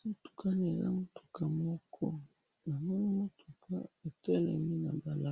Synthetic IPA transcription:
mo˦tu̥˨ka˦n˨e˨za̰˦mo˦tu̥˨ka˨mɔ˦kʰɔ˦ | na˨mo˦ni˦mo˦tʰu˨kʰa˦e˨tɛ˦lɛ̰˨mi˦na˨ba˨la˦˨

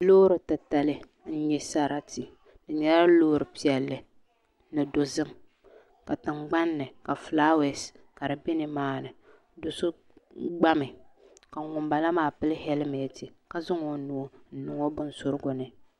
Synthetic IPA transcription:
loː˦ɾɨ˨ta˨ta˨lɨ˦ | n̩˦ɲɛ˦sa˦ɾa˦ti˨ | dɨ˨ɲɛ˦ɾa˦loː˦ɾɨ˨pi˨ɛ˨lːɨ˨ | nɨ˨do˨zɨ˦ŋ | ka˨tɨ˨ŋɡ͡ba˦nːɨ˨ka˨flaː˦wɛ˨s | ka˨ɾɨ˨bɪ˦nɨ˨maː˦nɨ˨ | dʊ˨sʊ˦ | ɡ͡ba˦mɨ˨ | ka˨ŋʊ˨m˦ba˨la˦maː˦˨pɨ˦lɨ˦hɛ˦lmɛ˨ti˨ka˦zʊ˦ŋo˨nu˨˦o˦n̩˦nɨ˨ŋo˦bʊ˦n˦sʊ˦ɾɨ˦ɡʊ˨nɨ˨

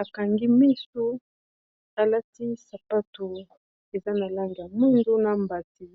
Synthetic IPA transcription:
a˨ka˨ŋɡi˦mi˦so˦ | a˨la˦ti˦sa˨pa˦to˨ | e˨za˦na˨la˦ŋɡja˨mu˦ndo˦na˨mba˨ti˨

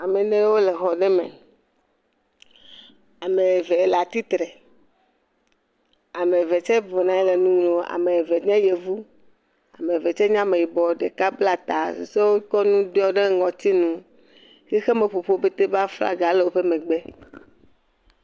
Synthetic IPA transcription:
a˨me˨nẽ˦wo˦le˨xɔ˨ɖe˦mḛ̃˨ | a˨me˨ɛ˨ve˨e˨la˨t̪i˦t̪ɾe˨ | a˨me˨ve˨t͡ʃɛ˦vɔ˨nã˨ɛ˦le˨nũ˦ŋ˦lo˨a̰˨me˨e˨ve˨ɲɛ̃˦je˨vu˦ | a˨mẽ˨ve˨t͡ʃɛ˦ɲã˦mẽ˨ji˨bɔ˨ɖe˨ka˦bla˦˨t̪a˨sse˦wo˦kɔ˦nũ˦dɔ˦ɖe˦ŋɔ̃˨t̪i˦nũ˨ | xe˦xe˦me˨ɸo˨ɸo˦be˦t̪e˦ba˦fla̰˦ɡa˨le˨wo˦ɸe˦mẽ˨ɡ͡be˦

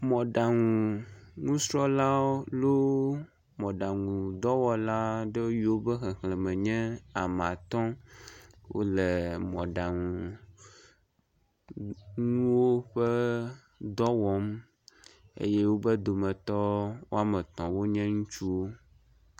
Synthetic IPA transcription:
mɔ̃˨ɖa˨ŋuũ˨ŋũ˦sɾɔ˦la˦o˦lo˦ | mɔ̃˨ɖa˨ŋũ˨d̪ɔ˦wɔ˦la˦ɖɛ˦o˦ɥi˦wo˦bɛ˦xɛ˨xlɛ˨mɛ̃˨ɲɛ̃˦a˨m˨a˨t̪ɔ̃˦ | wo̰˦lɛ˨mɔ̃˨ɖa˨ŋũ˨ | ŋũ˦wo˦ɸɛ˦ | d̪ɔ˦wɔ˦m | ḛ˦je˦wo˦bɛ˦d̪o˨mɛ̃˨t̪ɔ˦wo˦a˦mɛ˨t̪ɔ̃˨wo˦ɲɛ̃˦ŋũ˦t͡ʃu˦wo˦

